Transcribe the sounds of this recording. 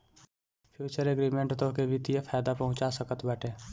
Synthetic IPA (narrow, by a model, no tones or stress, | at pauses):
pʰjuːt͡ʃəɾeɡɾiːmẽɳʈt̪okebʱɪt̪ijepʰɛːd̪apəɦʊ̃t͡ʃasəkət̪bɛːʈẽː